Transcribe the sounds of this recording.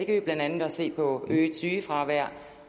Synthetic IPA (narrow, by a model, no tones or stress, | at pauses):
e̝kʰæʋib̥lænd̥ænð̩ˠɒse̝̰ːpʰɒ̽ø̰̥ːsyːfʁɑ̈ʋæɐ̰